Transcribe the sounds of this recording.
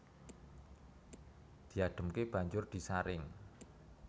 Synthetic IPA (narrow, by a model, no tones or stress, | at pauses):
d̪̥i̤aɖ̪̥ə̤mkeb̥a̤ɲd͡ʒʊrd̪̥i̤saɾɪŋ